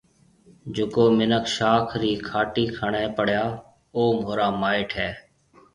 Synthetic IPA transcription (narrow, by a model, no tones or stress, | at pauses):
d͡ʒʊkoːmɪnəkʃaːkʰɾiːkʰaːʈiːkʰəɳeːpəɽjaː | oːmoːɾaːmaːɪʈʰɦɛː